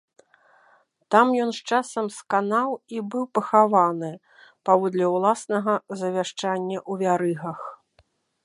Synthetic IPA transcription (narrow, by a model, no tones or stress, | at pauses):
t̪amjɔnst͡ʂasɐmskanawibɨwpɐxavanɨ | pavɔd̪lʲɐwlˠasnɐɣɐzɐvʲaʂt͡ʂanʲːɐʔuvʲaɾɨɣɐx